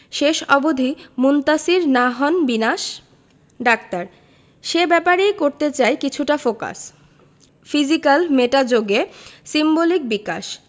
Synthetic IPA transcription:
ʃeʃɔbod̪ʱimunt̪asiɾnaɦɔnbinaʃ | ɖak̚t̪aɾ | ʃebɛpaɾejkoɾt̪et͡ɕaekit͡ɕʰuʈafoka̰s | fid͡ʑikalmeʈad͡ʑoɡesimbolik̚bika̰ʃ

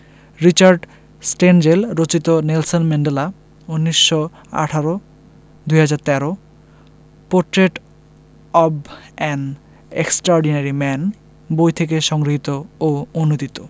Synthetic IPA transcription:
ɾit͡ɕaɾɖ | sʈend͡ʑelɾot͡ɕit̪onelsonmɛɳɖela | unːiʃːo | a̰ʈʰaɾo | d̪ujɦad͡ʑaɾt̪ɛɾo | poɾʈɾeʈ | ɔbɛn | ḛksʈɾɔɾɖinaɾimɛn | bojt̪ʰekeʃɔŋɡɾiɦit̪ooonod̪it̪o

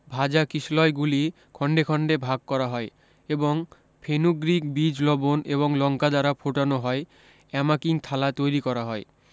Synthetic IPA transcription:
bʱad͡ʑakislɔeɡuli | kʰɔɳɖekʰɔɳɖebʱaɡ̚kɔɾaɦɔe | eboŋ | pʰenuɡɾikbid͡ʑlɔbonḛβoŋlɔŋkad̪aɾapʰoʈanoɦɔe | ɛmakiŋt̪ʰalat̪ojɾikɔɾaɦɔe

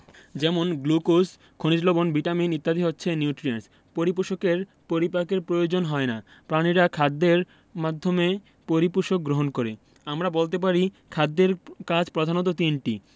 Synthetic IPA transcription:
d͡ʑɛmonɡlukos | kʰonid͡ʑlobonbiʈaminit̪ːad̪ʱiɦotːɕʰeniuʈɾians | poɾip̬uʃokeɾ | poɾipakeɾpɾojod͡ʑonɦɔena | pɾaniɾakʰad̪ːeɾ | mad̪ʱːome | poɾipuʃok̚ɡɾoɦonkoɾe | amɾabolt̪̬ep̬aɾi | kʰad̪ːeɾkad͡ʑpɾod̪ʱanot̪̬ot̪iɳʈḭ

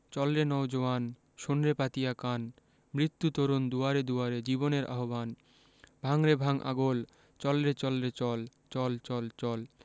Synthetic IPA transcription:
t͡ɕɔlɾenɔwd͡ʑoan | ʃonɾepat̪ijakan | mɾit̪ːut̪oɾond̪uaɾed̪uaɾed͡ʑiboneɾʔa̰ɦoban | bʱaŋɾebʱaŋʔa̰ɡol | t͡ɕɔlɾet͡ɕɔlɾet͡ɕɔl | t͡ɕɔlt͡ɕɔlt͡ɕɔl

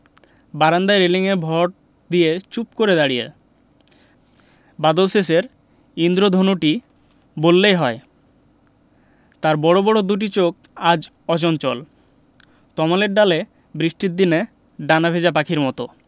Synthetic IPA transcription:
baɾand̪aeɾeliŋebʱɔʈ̚ | d̪ijet͡ɕup̚koɾed̪aɽijḛ | bad̪olses̬eɾ | ind̪ɾod̪ʱonoʈi | bolːejɦɔe | t̪aɾbɔɽobɔɽod̪uʈ̬it͡ɕok | ad͡ʑ | ɔt͡ɕɔnt͡ɕɔl | t̪ɔmaleɾɖale | bɾiʃʈid̪ine | ɖanabʱed͡ʑap̬akʰiɾmɔt̪o

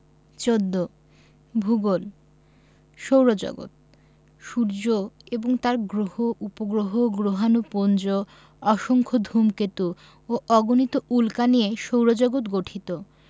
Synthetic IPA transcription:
t͡ɕod̪ːo | bʱuɡol | ʃowɾod͡ʑɔ̰ɡo̰t̪̚ | ʃuɾd͡ʑoeboŋt̪aɾɡɾohoʔupoɡɾoɦoɡɾoɦanupond͡ʑo | ɔʃoŋkʰod̪ʱumket̪u | oʔɔɡonit̪oʔulkanieʃowɾod͡ʑɔɡot̪ɡoʈʰit̪o

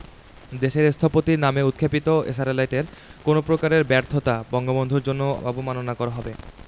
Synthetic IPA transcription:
d̪eʃeɾst̪ʰapot̪iɾnameut̪̚kʰepit̪oḛs̬aɾelajʈeɾkonopɾokaɾeɾbɛɾt̪ʰot̪abɔŋɡobond̪ʱoɾd͡ʑonːoɔbomanonakɔɾaɦɔbe

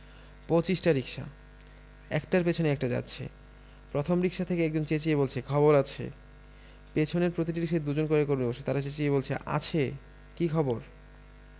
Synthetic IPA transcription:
pot͡ɕiʃʈaɾikʃa̰ | ɛkʈaɾpet͡ɕʰoneɛk̚ʈad͡ʑa̰tːɕʰḛ | pɾot̪ʰomɾikʃat̪ʰekeɛk̚d͡ʑont͡ɕet͡ɕieβolt͡ɕʰekʰɔboɾat͡ɕʰḛ | pet͡ɕʰoneɾpɾot̪̬iʈiɾiʃed̪ud͡ʑonkoɾekoɾmiboʃet̪aɾat͡ɕet͡ɕieβolt͡ɕʰḛʔa̰t͡ɕʰe | kikʰɔboɾ

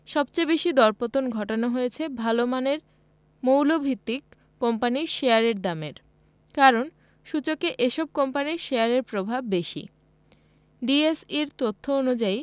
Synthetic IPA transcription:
ʃɔbt͡ɕejbeʃid̪ɔɾpot̪onɡʱɔʈonoɦojet͡ɕʰebʱalomaneɾ | mowlobʱit̪ːikː | ɔmpaniɾʃeaɾeɾd̪ameɾ | kaɾon | ʃut͡ɕokeʔeʃɔb̚kɔmpaniɾʃeaɾeɾpɾobʱab̚ːeʃḭ | ɖiesiɾt̪ot̪ʰːoonud͡ʑai

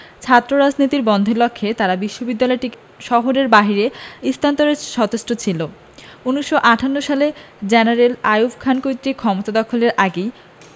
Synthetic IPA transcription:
t͡ɕʰat̪ːɾoɾad͡ʑnit̪iɾbɔnd̪ʱelokʰːet̪aɾabiʃːobid̪ːalɔeʈi | ʃɔɦoɾeɾbaɦiɾeist̪ʰant̪oɾeʃɔt̪osʈot͡ɕʰilo | unːiʃːoʔaʈʰanːoʃale | d͡ʑenaɾelajubkʰankojt̪ːɾikʰɔmot̪ad̪ɔkʰoleɾʔaɡej

